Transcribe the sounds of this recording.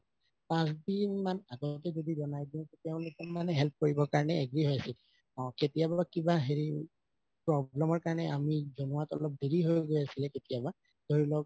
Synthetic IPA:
pãs̬dimanaɡɔtɛzodizɔnajɡinkɛtɛʊ̃lʊkɔanɛɦɛlp̚ʰkoɹibɔkaɹɔnɛːɡɹiɦojasil | ɔ̃ketijabakibaɦeɹi | pɹɔblɛmɔɹkaɹɔnɛamizɔnuatɔlɔp̚deɹiɦojɡojasilɛketijaba | d̥oɹilɔk̚

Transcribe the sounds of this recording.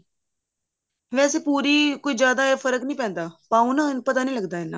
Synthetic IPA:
ʋɛːseːpuːɾiːkoːiːd͡ʒjaːd̪aːeːfʰəɾəknĩːpɛ̃ːnd̪aːpaːũnãːpət̪aːnĩːləɡd̪aːɪnːã̰ː

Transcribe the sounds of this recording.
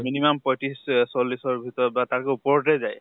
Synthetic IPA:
minimampɔjʈissɔlisɔɾbʱit̪ɔɾbat̪aɾkeupɔɾɖed͡ʒaj

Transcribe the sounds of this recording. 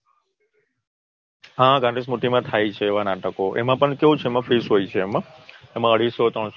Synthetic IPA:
ɦãɡãɖis̬muʈimãt̪ʰajt͡ʃʰeːʋanaʈəkoʔḛmãpəɳkeũt͡ʃʰeːmãfisɦoit͡ʃʰeːmãemãəɽ̤isot̪ɾəɳs

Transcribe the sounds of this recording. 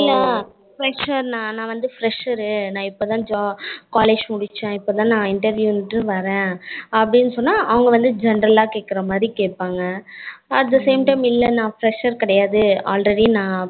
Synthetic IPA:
ɪlːɐ | fɾɛʂɐɾnãːnãːʋɐnd̪ɯfɾɛʂɐɾɯnãːɪpːoːt̪ãːd͡ʒaːkaːleːd͡ʒmʊɽɪt͡ʃːɛ̃ɪpːoːt̪ãːnãːɪɳʈɐɾʋjuːnɪʈːɯʋɐɾẽːɐpːɐɽɪnːɯsɔnːaːʔɐʋɐŋɡɐʋɐnd̪ɯd͡ʒɛnɾɐlaːkeːʈ̚kːɪɾɐmaːd̪ɾikeːʈ̚paːŋɡɐɐʈ̚d̪ɐseːmʈɐɪmɪlːɐnãːfɾɛʂɐɾkɪɽɐjaːðɯaːlɾɛɽinãː

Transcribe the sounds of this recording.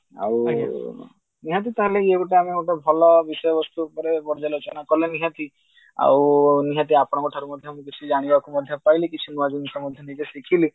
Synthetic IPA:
a̰w | niɦãt̪̬it̪aɦeleieɡuʈeamieʈabʱɔlɔbisɔjɔbɔst̪uːpɔɾepɔɾd͡ʒalot͡ʃɔnakɔleniɦãt̪i | a̰wniɦãt̪̬iapɔɽ̃ɔkɔʈʰaɾumɔd̪ʱjɔmũk̬it͡ʃʰid͡ʒaɽ̃ibakumɔd̪ʱjɔpajlikit͡ʃʰimũad͡ʒimikɔmɔd̪ʱjɔnid͡ʒesikʰili

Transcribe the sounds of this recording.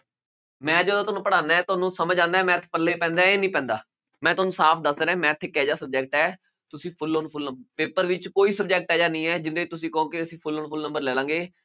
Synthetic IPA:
mɛ̃ːd͡ʒəd̪õːt̪ʊːnũːpəɽaːnaɛːt̪ʊaːnũːsəməd͡ʒãːnd̪aɛːmɛ̃ːt̪ʰːe̥pəɾlːeːpɛ̃ːnd̪aːeːnĩːpɛ̃ːnd̪aː | mɛ̃ːt̪ʊaːnũːsaːpʰd̪əsd̪eːɾɛ̃ːmɛ̃ːɪt̪ʰːeːkɛːd͡ʒaːsəb̚d͡ʒɛːk̚ʈɛː | t̪ʊsĩːpʰʊlːoːnpʰʊlnəmbpeːpəɾʋɪt͡ʃkoːiːsəb̚d͡ʒɛːk̚ʈɛːd͡ʒaːnĩːɛːd͡ʒɪnd̪eːt͡ʃt̪ʊs̬ĩːkoõːkeəsĩːpʰʊlːoːnpʰʊlnəmbəɾlɛːlãːŋɡeː

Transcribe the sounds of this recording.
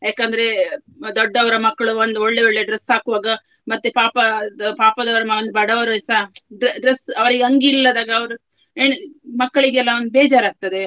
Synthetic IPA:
jaːkɐnd̪ɐɾe̞ | d̪ɔɖːɐʋɐɾɐmɐkːɐɭuʋond̪uoɭːeoɭːe̞ɖɾesːaːkuʋaːɡɐ | mɐt̪ːepaːpɐpaːpɐd̪ɐʋɐɾɐmɐond̪ubɐɽɐʋɐɾɐsaːɖɾeɖɾesɐʋɐɾiɡeɐŋɡiːlːɐd̪aːɡɐːʋɐɾu | eɳmɐkːɐɭiɡeɛlːɐond̪ubeːd͡ʒaːɾaːɡ̚t̪ɐd̪e̞

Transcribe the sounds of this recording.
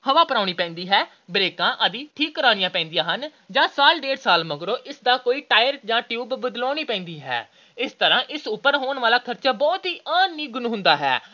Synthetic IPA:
həʋaːpəɾaːʊɽ̃iːpɛ̃ːnd̪iːɦɛː | bɾeːkãːʔəd̪iːʈʰiːkːəɾaːɽ̃ɪjãːpɛ̃ːnd̪ijãːɦən | d͡ʒãːsaːlɖeːɖsaːlməɡɾoːʔɪsd̪aːkoːiːʈaːjəɾd͡ʒãːʈjuːbːəd̪lɔːɽ̃iːpɛ̃ːnd̪iːɦɛ̰ː | ɪst̪əɾãːʔɪsʊpːəɾɦoːɳʋaːlaːkʰəɾt͡ʃaːbɔːt̪ɦiːʔaːnːiːɡʊnɦʊ̃nd̪aːɦɛ̰ː

